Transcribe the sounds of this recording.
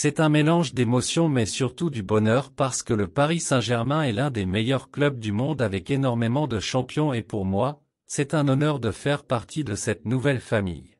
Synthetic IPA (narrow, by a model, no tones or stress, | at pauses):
sɛt̪ɛ̃melɑ̃ʒd̪emɔsjɔ̃mɛsyʁt̪ud̪ybɔnœʁpaʁsə̥kələpaʁisɛ̃ʒɛʁmɛ̃ɛlɛ̃d̪emejœʁklœb̚d̪ymɔ̃d̪avɛkenɔʁmemɑ̃d̪əʃɑ̃pjɔ̃epuʁmwa | sɛt̪ɛ̃nɔnœʁd̪əfɛʁpaʁt̪ʰid̪əsɛt̪nuvɛlfamḭj